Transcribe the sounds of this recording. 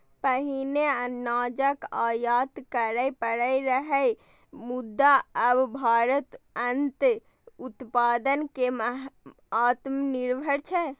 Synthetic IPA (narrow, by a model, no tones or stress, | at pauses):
pəɦinenad͡ʒəkajat̪kəɾəjpəɾəjɾəɦəj | mud̪ːaəbbʱaɾət̪ənt̪ | ut̪pad̪ənkeməɦ | at̪mniɾbʱəɾt͡ʃʰɛ